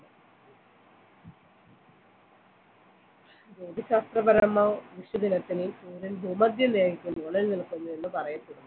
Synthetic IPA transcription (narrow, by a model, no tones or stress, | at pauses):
d͡ʑoːd̪ʱiɕaːst̪rɐbɐɾɐmːɐʋʋiɕud̪inɐt̪ːilipuːɾulbʱuːmɐd̪ʱjɐneːɡikʲːunːuːɳɐlnilkunːuninːɨpɐrɐjɐpːeɽumː